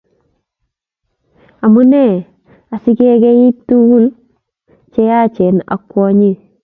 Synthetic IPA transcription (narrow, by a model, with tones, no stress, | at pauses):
a˨mu˦nɛ˦˨ | a˨si˦ke˦ɡe˦ji˦tːu˦wu˦˨l | t͡ʃɛ˦ja˦t͡ʃɛ˨na̰˨kːɔ˦ɲi˦˨